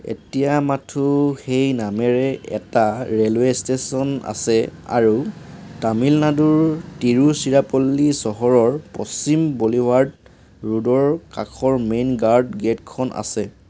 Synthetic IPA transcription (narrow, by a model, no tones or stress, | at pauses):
ḛtijamatʰuxejnamɛɹɛɛ̰taɹelwestesɔna̰sɛa̰ɹutamilnaduɹtiɹusiɹapolːisɔɦɔɹɔɹpɔ̰simboliwaɹd | ɹudɔɹkakʰɔɹmenɡaɹdɡetkʰɔnʔa̰sɛ